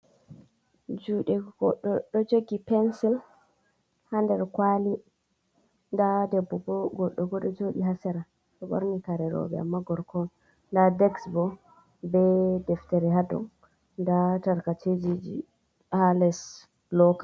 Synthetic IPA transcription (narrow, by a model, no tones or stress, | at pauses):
d͡ʒuɗɛɡɔɗɔɗɔd͡ʒoɡipɛnsil | handɛɾkwali | ndadɛbːɔɡɔɡɔɗːɔɡɔɗɔd͡ʒoɗiɦasɛɾa | ɗɔɓo̰ɾnikaɾɛɾɔ̰bɛ̰a̰mːaɡɔɾkʰɔn | ndadɛksbɔ | bɛdɛftɛɾɛɦadɔ̰n | dataɾkat͡ʃʰed͡ʒid͡ʒḭ | halɛs | lɔka